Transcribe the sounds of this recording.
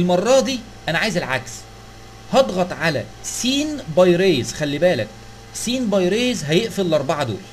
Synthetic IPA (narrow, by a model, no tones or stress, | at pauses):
lmɑrˤːɑd̪iː | ʔænæʕaːjezælʕa̰ks | hɑd̪ˤɣɑt̪ˤʕalæ̰siːnbɑjɾeːzxælːibæːlæk̚ | siːnbɑjɾeːzɦæjeʔfelːʔɑɾˤbɑʕɑd̪o̰ːl